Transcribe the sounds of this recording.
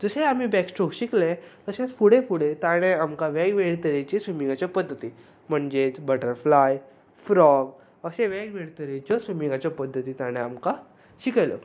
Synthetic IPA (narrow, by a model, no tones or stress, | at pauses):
d͡zəseam̤ibɛksʈɾoɡɕiklet̪əsẽt͡spuɽefuɽet̪aɽ̃eamkaʋeɡʋeɽt̪əɾet͡ɕisʋumĩŋɡat͡ɕapəd̪ʱːət̪i | m̤əɳd͡zet͡sbəʈəɾflaj | fɾɔɡ | əseʋẽɡʋeɽt̪əɾet͡ɕjɔsumĩŋɡat͡ɕɔpəd̪ʱːət̪iːt̪aɽ̃eamka | ɕikajlə̰